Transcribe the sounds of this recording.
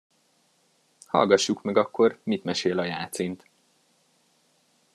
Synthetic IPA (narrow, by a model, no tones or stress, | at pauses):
hɒ̰lɡɒʃːukmɛɡɒkːo̞rmit̪mɛʃeːlɒjaːt̪siːnt̪